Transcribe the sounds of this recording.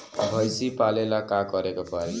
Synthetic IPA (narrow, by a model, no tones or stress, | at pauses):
bʱʌjsipalelakakʌɾekopaɾi